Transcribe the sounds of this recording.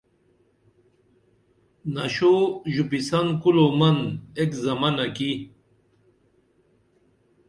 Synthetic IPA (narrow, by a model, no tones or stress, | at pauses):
nɐɕoʑupisankulomɐnekzɐmanɐki